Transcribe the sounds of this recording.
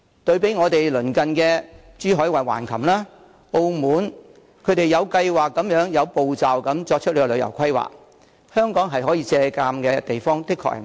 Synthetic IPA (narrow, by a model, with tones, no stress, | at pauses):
t̪ɵ˧ɥpe˨˥jŋɔː˨˧t̪e˨jlɵ˨˩nkɐ˨nkɛː˧ | t͡ʃyː˨˥ɦɔː˨˥jwɐ˨˩wa̰ː˨˩nkʰɐ˨˩mlaː˥ | o˧wmuː˨˥n | kʰɵ˨˧˥t̪e˨jɐ˨˧wkɐ˧jwaː˨kːɐ˨˥mjœː˨˥ŋjɐ˨˧wpo˨wt͡saː˨wkɐ˨˧˥mt͡sɔː˧k̚t͡ʃʰɵ˥t̚le˧kːlɵ˨˧ɥjɐ̰˨˩wkʰɐ˥jwa̰ː˨˩k̚ | hœː˥ŋkɔː˨˥ŋɦɐ˨jɦɔː˨˥jiː˧t͡sɛː˧kaː˧mkɛː˧t̪e˨jfɔː˥ŋt̪ɪ˥kʰːɔ̰˧k̚hɐ̰˨˩